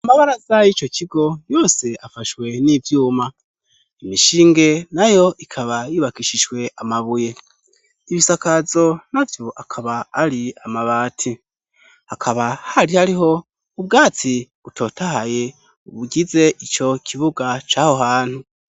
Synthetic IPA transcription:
amaβaɾazajit͡ʃo̞cʰiɡo̞jo̞ːse̞afaʃwe̞nivjuːma | imiʃiːŋɡe̞najo̞ʔikʰaβajiβakiʃiʒwe̞amaβuje̞ | iβisakazo̞navjoʔakʰaβaːɾiamaβaːtʰi | hakʰaβahaɾihaɾiɦo̞ | ub̚ɡaːt͡si | utʰo̞ːtahaje̞ | uβuɟize̞ʔit͡ʃo̞cʰiβuɡat͡ʃaːho̞ɦaːn̥hu

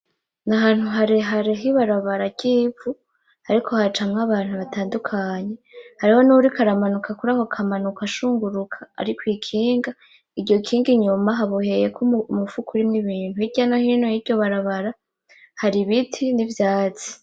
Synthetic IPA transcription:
naɦaːn̥huɦaɾiɦaɾiɦiβaɾaβaɾaɟ̥iːfu | haɾikʰo̞hat͡ʃamŋaβaːn̥huβataːndukʰaɲe̞haɾiho̞nuɾikʰaɾamanukʰakuɾahokʰamanukaʃuːŋɡuɾukʰḁ̰ːɾikwikʰiːŋɡa | iɟɟo̞kʰiːŋɡiɲumaɦaβuhe̞je̞kʰumufukʰuɾimŋiβiːnhuiɟanahinojivjo̞βaɾaβaɾa | haɾiβitʰinivjaːt͡si̥

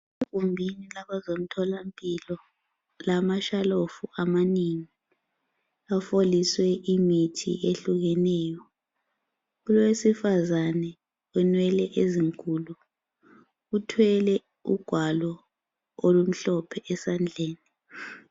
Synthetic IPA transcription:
ev̥ʱumbʱinilaɓazom̩tʰɔlampʼilɔ | lamaʃalofuʔamaniŋi | afoliswɛimitʰḭʔeɬuɣɛnɛːjɔ | ulwesifazanɛ | ɛnwɛlɛʔeziŋkʼulu | utʰwɛlɛ | ṵɡ̥ʱwalɔ | olum̩ɬɔpʰɛʔɛsand͡ɮʱeːni

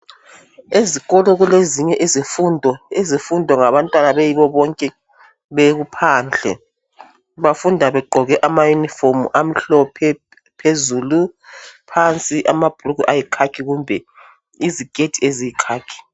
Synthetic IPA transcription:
eziɣɔlɔɣuleziɲɛʔezifundʱɔezifundʱɔŋaβantʼwanaβejiβɔβɔŋkʼɛ | βeɣupʰand͡ɮʱɛ̰ | βafundʱaβɛɡ͡ǃʱɔɣɛʔamajunifomṵʔam̩ɬɔpʰɛ | pʰezuːlupʰant͡sʼiʔamab̥ʱurukuʔajikʰakʰiɣumbʱɛ | iziɡ̥ʱʼetʰiezijikʰaːkʰi̥

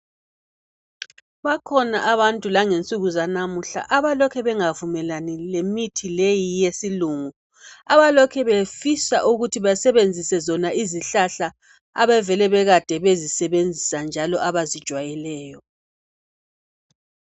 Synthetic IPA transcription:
βakʰɔnaʔaβantʼulaŋent͡sʼuɣuzanamuɬa̰ʔaβalɔkʰɛβɛŋavumɛlanilemitʰilejijesiluːŋu | aβalɔkʰɛβefisa̰ʔuɣutʰiβasɛβend͡zʱisɛzɔnaiziɬaɬa | a̰βɛvɛlɛβɛɣad̥ʱɛβezisɛβend͡zʱisand͡ʒʱalɔʔaβazid̥ʒ̥ʱwajɛlɛːjɔ

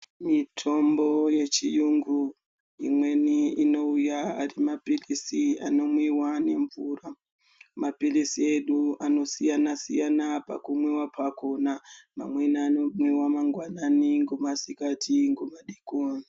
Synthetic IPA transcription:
mitʰo̞mbo̞je̞t͡ʃijuŋɡu | ḭmwe̞niino̞ujaa̰rimapirisia̰no̞mwiwane̞ɱvuːra | mapirisie̞ɗuano̞sijanasijanapa̰kumwewapako̞nama̰mweniːno̞mwiwamaŋɡwananiŋɡomasikatʰiŋɡomaɗikoːni

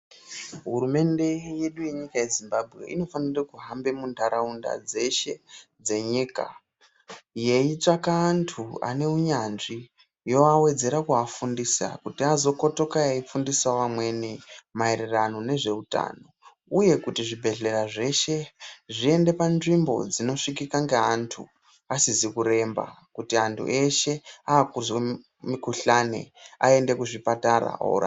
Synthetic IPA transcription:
ɦuɾume̞nde̞je̞ɗuje̞ɲikaje̞zimbabʱɣḛʔḭno̞fanirakuɦambe̞mundaɾaunda̰d͡ze̞ʃe̞d͡ze̞ɲiːka̰ | je̞it͡ʂakaːntʰua̰ne̞uɲanʐi | jo̞awe̞d͡ze̞ɾakuafundisa̰kutiazo̞ko̞to̞kajaifundisawamwe̞nimaeɾirano̞ne̞ʐe̞uta̰ːno̞ | uje̞kutiʐibʱe̞ɮe̞ɾaʐe̞ʃe̞ʐie̞nde̞panʐimbo̞̰d͡zino̞ʂikikaŋɡeantʰṵ | asizikuɾe̞mba̰ | kutiantʰṵʔe̞ʃe̞aːkuzwe | mikuɬane̞̰ae̞nde̞kuʐipataɾa̰o̰ra̰

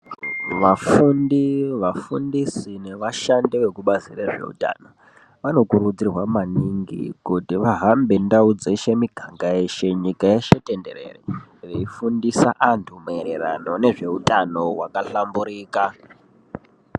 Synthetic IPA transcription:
ʋafundiʋafundisine̞ʋaʃandiʋe̞kuɓazireʐe̞̰ṵta̰ːno | ʋano̞kuɾud͡zirwamaniŋɡḭkutiʋaɦambendaud͡zeʃe̞miɡʱaŋɡae̞ʃe̞ɲikaeʃe̞te̞nde̞̰rḛrereifundisaʔantʰumeɾeɾa̰no̞ne̞ʐe̞utano̞wakaɬambuɾiːka

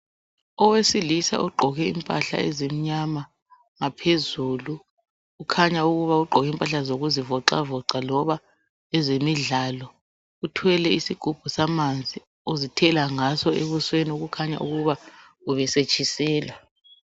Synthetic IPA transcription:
ɔwesilisa̰ʔuɡ͡ǃʱɔɣɛḭmpʼaɬa̰ezem̩ɲama | ŋapʰezulu | ukʰaɲauɣuβauɡ͡ǃʱɔɣɛimpʼaɬazoɣuzivɔǀa̰vɔǀalɔβa | ɛzemiɮalɔ | utʰwɛlɛisiɡ̥ʱub̥ʱusamand͡zʱi | uzitʰɛlaŋasɔʔeβusweniuɣukʰaɲa̰ʔuɣuβa | uβɛset͡ʃʼisɛːlwa

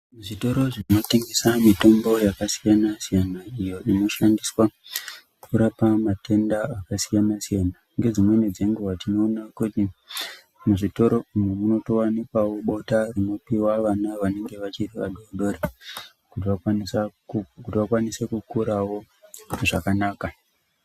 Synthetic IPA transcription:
muʐito̞ɾo̞ʐinotiŋɡisamito̞mbo̞jakasijanasijanaijo̞ino̞ʃandiswaukuɾapamate̞ndaakasijanasijana | ŋɡe̞d͡zimwe̞ned͡ze̞ŋɡuwatino̞ːnakuti | muʐito̞ɾo̞umwemuno̞to̞wanikwawo̞ɓo̞tarino̞piwaʋanaʋane̞ŋɡe̞ʋat͡ʃiriʋa̰ɗoɗo̞ɾe | kut̬iʋawanisaukutiʋakwanise̞kukuɾawo̞ | ʐakanaːka

